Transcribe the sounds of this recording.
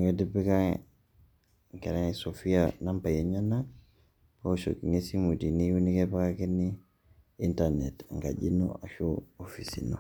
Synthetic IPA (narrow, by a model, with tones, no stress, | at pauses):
ŋɡe˦dipi˦kaŋ | ŋ˨ke˨ɾaŋsofijana˦mpa˨ji˨ɲana | po˦so̰˨kŋe˦simu˨di˨niju˦ni˦kepa˦ka˦ke˦ni | i˦ntanetŋka̰˨ɟi˦no̰a˨ʃu˦ofisḭno˨